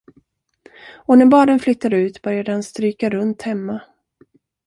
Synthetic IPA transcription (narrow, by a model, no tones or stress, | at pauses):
ɔnæɾbɑːɖənflʏt̪ːaɾʉ̟ːt̪bœɾjad̪əhanst̪ɾyːkaɾɵnt̪hɛmːa